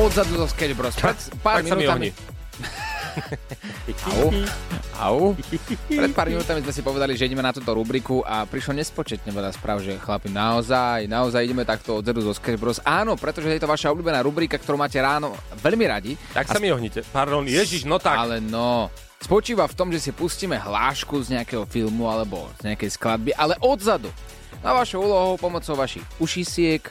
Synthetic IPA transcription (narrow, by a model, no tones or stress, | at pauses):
ɔd̪zad̪uzɔskɛd͡ʒbɾɔspɾɛt̪paːɾaminauːmiaɦɲi | a | ʔa̰u | ɾɛt̪̚paːɾminuːt̪amizmɛs̬ipɔʋɛd̪aliʒɛiɟɛmɛnat̪uːt̪ɔɾubɾikuʔapɾiʃlɔɲɛspɔt͡ʃɛt̪ɲɛʋɛʎaspɾʔaːʊʒɛxlapinaɔzajnaɔzajiɟɛmɛt̪akt̪ɔɔd̪zad̪uzɔskɛd͡ʒbɾɔsaːnɔpɾɛt̪ɔʒɛt̪jɛt̪ɔʋaʃaɔblʲuːbɛnaːɾubɾiːkakt̪ɔɾuːmaːcɛɾaːnɔʋɛʎmiɾaɟiakaamiɔɦɲicɛpaɾd̪ɔnjɛʒiʃnɔt̪aalɛnɔ | spɔt͡ʃiːʋaft̪ɔmʒɛsipusciːmɛɦlaːʃkuzɲɛakɛɦɔfilmualɛbɔ̰z̥ɲɛakɛjsklad̪̚biʔalɛʔɔd̪zad̪u | naʋaʃɔʊuːlɔɦɔʊpɔmɔt͡sɔʊʋaʃixuʃisɪɛk